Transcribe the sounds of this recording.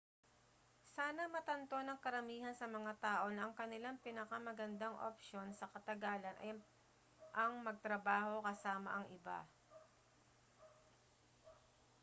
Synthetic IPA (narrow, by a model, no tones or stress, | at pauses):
saːnɐmɐt̪ɐnt̪o̞nɐŋkɐɾɐmiːhɐnsɐmɐŋat̪aːʔo̞nɐʔɐŋkɐnɪlaŋpɪnɐkamɐɡɐnd̪aŋʔo̰pʃo̞nsɐkɐt̪ɐɡaːlɐnʔɐ̰j | ʔɐŋmɐɡ̚t̪ɾɐbaːho̞kɐsaːmɐ̰ʔɐŋʔɪba̰